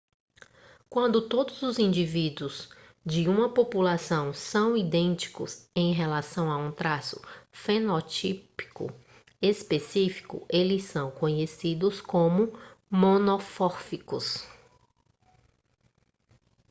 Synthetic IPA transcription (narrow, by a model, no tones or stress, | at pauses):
kwɐ̃nd̪ʊt̪od̪ʊzʊzĩnd͡ʒivid̪ʊz | d͡ʒɪũmɐpopulasɐ̃w̃sɐ̃w̃id̪ẽnt͡ʃi̥kʊ̰sẽj̃ɦelasɐ̃w̃aũt̪ɾasʊfenot͡ʃipi̥kʊ̰ | espesifi̥kʊ̰ʔelɪsːɐ̃w̃kõɲesid̪ʊskõmʊmõnofɔɾfikʊs